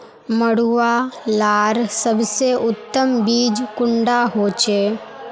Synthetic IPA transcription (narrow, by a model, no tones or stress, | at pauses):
məɽuʋalaːɾsəbseʔʊt̪ːəmbiːd͡ʒkʊ̃ɳɖaɦoːt͡ʃeː